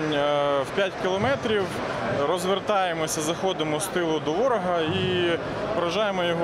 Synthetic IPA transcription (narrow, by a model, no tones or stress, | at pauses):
nʲwpʲjatʲkʲɪlˠɔmɛt̪ɾʲiw | ɾɔzʋert̪ɑjemɔsʲɐzɐxɔd̪ɪmɔst̪ɪlˠʊd̪ɔʋɔɾɔɦɐi | pɔɾɐʒɑjemɔjɔɦɔ